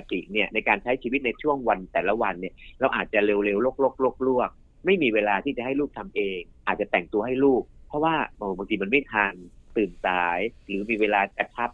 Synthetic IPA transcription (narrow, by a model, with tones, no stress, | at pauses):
a˧˩t̪ḭ˨˩ni˥˩ɐna˧jkaː˧nt͡ɕʰa˦˥jt͡ɕʰiː˧wi˦˥t̪̚na˧jt͡ɕʰu˥˩əŋwa˧nt̪ɛː˨˩la˦˥wa˧nːi˥˩ɐɾa˧wʔaː˨˩t̪̚t͡ɕa˨˩le˧wle˧wloː˥˩k̚loː˥˩k̚loː˥˩k̚lu˥˩ək̚ | ma˥˩jmiː˧weː˧laː˧t̪ʰiː˥˩t͡ɕa˨˩ʔha˥˩jluː˥˩k̚t̪ʰa˧mʔeː˧ŋʔaː˨˩t̪̚t͡ɕa˨˩t̪ɛ˨˩ŋt̪u˧ɐɦa˥˩jluː˥˩k̚pʰːɔ˦˥waː˥˩ʔɤː˧˩baː˧ŋt̪ʰi˧ma˧nma˥˩jt̪ʰaː˧nt̪ɯː˨˩nsaː˨˦jɾɯː˩˦miː˧weː˧laː˧t͡ɕa˧˩t͡ɕʰa˦˥p̚